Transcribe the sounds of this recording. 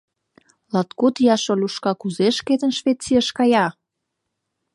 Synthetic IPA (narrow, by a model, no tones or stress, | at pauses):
lɑt̪kut̪jɑʃolʲuʃkɑkuzeʃket̪ə̆nʃvet͡siəʃkɑjɑ